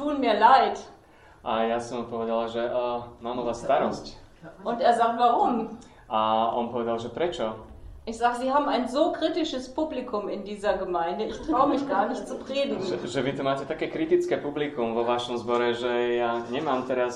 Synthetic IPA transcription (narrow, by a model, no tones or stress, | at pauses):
tuːənmiːɐlaɪt | ʔajasɔmupɔʋɛd̪alaʒɛʔmaːmuʋaːsːt̪aɾɔscʔʊnteːɐzaːktvaʁʊm | ʔaɔnpɔʋɛd̪alʒɛpɾɛt͡ʃɔʔɪçz̥aːɡəziːɦaːbm̩aɪnzoːkʁ̥itɪʃəspublikʊmɪndiːzɐɡəmaɪndəɪçtʁ̥aʊəmɪçɡaːɐnɪçt͡supʁ̥eːdɪɡŋ̩ɛʒɛʋit̪ɔmaːcɛt̪akɛːkɾit̪it͡skɛpublikumvɔʋaʃɔmzbɔɾɛʒɛjaɲɛmaːmt̪ɛɾas